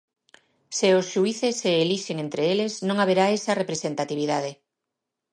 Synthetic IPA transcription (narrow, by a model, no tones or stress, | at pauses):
seosʃuiθeseːliʃeŋent̪ɾeeleznõŋaβ̞eɾaesɐrepɾesent̪at̪iβ̞iðað̞e